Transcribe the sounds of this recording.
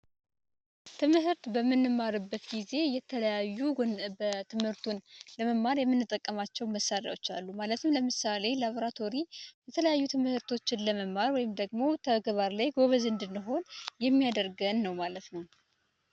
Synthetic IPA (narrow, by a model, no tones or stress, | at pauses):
t̪ʰɨmɨɦɨɾt̪bəmːɨnːɨmːaɾɨbːət̪ɡize̞jɛt̪ʰələjajːubət̪ʰɨmhɨɾt̪ʰunləməmːaɾjɛmːɨnːɨt̪ʼːəkʼːəmat͡ʃːɛwməsaɾja̰wo̞t͡ʃːa̰lːumalət̪ʰɨmləmɨsale̞laβo̞ɾat̪ʰo̞ɾibɛt̪ʰələjajːut̪ʰɨmɨhɨɾt̪ʰo̞t͡ʃːɪnləməmːaɾwɔjɪmd̪əɡmo̞t̪ʰəɡəβaɾlajɡo̞βəzɨnd̪ɨnːɨɦo̞njɛmːijad̪əɾɡənːəwmalət̪nəw